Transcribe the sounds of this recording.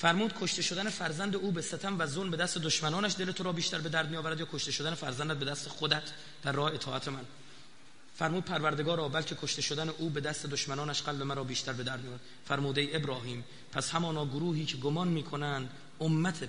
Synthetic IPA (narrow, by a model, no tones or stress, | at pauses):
fæɾmuːd̪kʰo̞ʃt̪e̞ʃo̞d̪æne̞fæɾzænd̪euːbesæt̪ʰæmvæzolmbed̪æst̪ed̪oʃmænɒːnæʃd̪e̞let̪ʰoɾɒːbiːʃt̪æɾbe̞d̪æɾd̪̚mijɒːvæɾæd̪jɒːkʰoʃt̪eʃod̪ænefæɾzænd̪æt̪̚bed̪æst̪exod̪æt̪ʰ | d̪̥æɾːɒːheet̪ʰɒːæt̪ʰemæn | fæɾmuːd̪̚pʰæɾvæɾd̪eɡɒːɾɒːbælcʰe̞kʰoʃt̪eʃod̪æneʔuːbe̞d̪æst̪e̞d̪oʃmænɒːnæʃɡælbe̞mæɾɒːbiːʃt̪æɾbe̞d̪æɾd̪mijɒːæd̪ | fæɾmuːd̪eiebɾɒːɦiːm | pʰæshæmɒːnɒːɡoɾuːhiːcʰeɡomɒːnmiːkʰonænd̪ | omːæt̪ʰe